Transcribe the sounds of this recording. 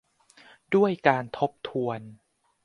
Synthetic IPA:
du˥˩əjkaː˧nt̪ʰo˦˥p̚t̪ʰu˧ən

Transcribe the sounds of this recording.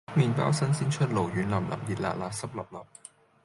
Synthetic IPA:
miː˨˩npa̰ː˨˥wsɐ˥nsiː˥nt͡ʃʰɵ˥t̚lo˨˩wjyː˨˥nlɐ˨˩mlɐ̰˨˩mjiː˨t̚la̰ː˨t̚laː˨˥sɐ˥p̚lɐ˨˩p̚lɐ˨˩p̚

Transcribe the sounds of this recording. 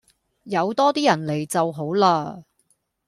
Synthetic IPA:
jɐ˨˧wt̪ɔː˥t̪iː˥jɐ˨˩nle˨˩jt͡sɐ˨wɦo˨˥wlaː˧

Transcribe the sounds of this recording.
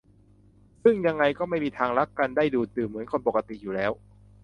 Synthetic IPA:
sɯ˥˩ŋja˧ŋːa˧jkɔː˥˩ma˥˩jmiː˧t̪ʰaː˧ŋɾa˦˥kːa˧ndaː˥˩jduː˧˩t̪ɯː˨˩mːɯ˩˦ənkʰo˧npo˨˩kːa˧t̪i˨˩juː˨˩lɛː˦˥w

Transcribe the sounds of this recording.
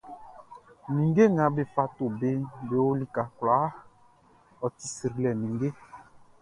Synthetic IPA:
nĩ˨ŋɡe˦ŋã˨˦be˨fa˧to˨be˦be˨wo˦li˨ka˨kla˨˦ | ɔ˨ti̥˨si˨ɾi˨lɛ˨nĩ˨ŋɡe˦

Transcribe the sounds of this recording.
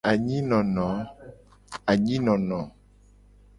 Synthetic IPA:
a˨ɲĩ˦nɔ̃˨nɔ̃˨˦ | a˨ɲĩ˦nɔ̃˨nɔ̃˨˦

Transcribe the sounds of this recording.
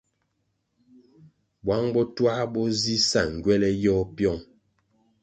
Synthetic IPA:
bwa˨˦ŋbɔ˦twa˦bɔ˦zi˦sa˦˨ŋ̩˨ɡwɛ˦lɛ˦jɔ˦pjɔ˦˨ŋ

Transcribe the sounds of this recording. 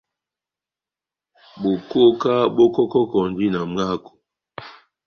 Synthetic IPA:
ɓo˨ko˦ka˦ɓo˦kɔ˦kɔ˦kɔ˨n˨˦d͡ʒi˦na˨m˦a˦˨ko̥˨

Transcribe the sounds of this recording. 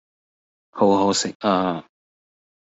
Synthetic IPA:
ho˨˧whɔ˨˥sɪ˨k̚aː˧˨

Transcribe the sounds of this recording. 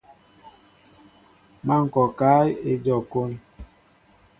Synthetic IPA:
ma˦˨ŋ̩˨kɔ˨ka˦je˨d͡ʒɔ˨ko˦n

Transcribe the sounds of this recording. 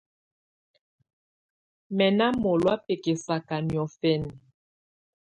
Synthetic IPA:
mɛ˨na˦mo˨lwa˦pe˨ke˨sa˨ka˨njɔ˨fɛ˦˨n˨

